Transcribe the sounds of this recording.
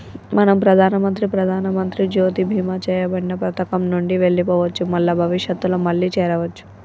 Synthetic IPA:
mɐnɐmpɾɐd̪ʱaːnɐmɐnt̪ɾipɾɐd̪ʱaːnɐmɐnt̪ɾid͡ʒoːt̪ibʱiːmɐt͡ʃɛːjɐbɐɽinɐpɾɐt̪ɐkɐmnuɳɖiʋeɭːipɔːʋɐt͡ʃːumɐlːɐbʱɐʋiʂjɐt̪ːuloːmɐɭːit͡ʃɛːɾɐʋɐt͡ʃːu̥

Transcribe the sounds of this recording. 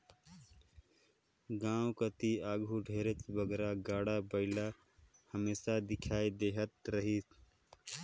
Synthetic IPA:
ɡãːwkət̪iaːɡʱuɖʱeːɾet̪bəɡɾaɡaːɽabəɪla | həmeːsad̪ɪkʰaːid̪eːɦət̪ɾəɦit̪

